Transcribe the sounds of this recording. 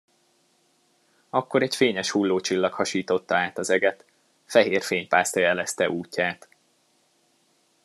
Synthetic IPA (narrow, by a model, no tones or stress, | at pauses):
ɒkːo̞ɾɛcfeːɲɛʃhulːoːt͡ʃilːɒkhɒʃiːt̪o̞t̪ːɒaːt̪ɒzɛɡɛt̪ | fɛɦeːrfeːɲpaːst̪ɒjɛlɛst̪ɛʔuːcːaːt̪